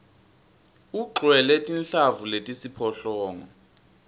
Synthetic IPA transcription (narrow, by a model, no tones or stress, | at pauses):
uǃwɛlɛtʼinɬavuletʼisipʰɔɬɔːŋɔ